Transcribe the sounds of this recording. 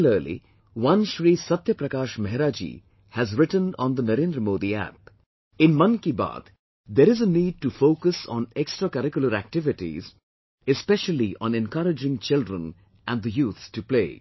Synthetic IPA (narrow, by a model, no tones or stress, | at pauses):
ləːlḭ | ʋʌ̃nʃɾiːsɐt̪jəpɾɐkaːʃmɐɦɪɾaːd͡ʒḭ | hæzɾɪʈə̃nɔ̰̃nd̪ənɐɾẽːnd̪ɾəmoːd̪iæ̰p̚ | ɪ̃nmʌ̃nkiba̰ːd̪ | d̪eɾɪzəniːɖ̚ʈufoːkəsɔ̃ːneksʈɾakəɾɪkjʊləɾæ̰k̚ʈɪʋɪʈḭz | ɪspɛʃəliʔɔ̰̃nɛ̃nkʌɾɪd͡ʒɪ̃ŋt͡ʃɪlɖɾə̃n | ʔæ̃nɖ̚d̪əjuːt̪sʈuplḛː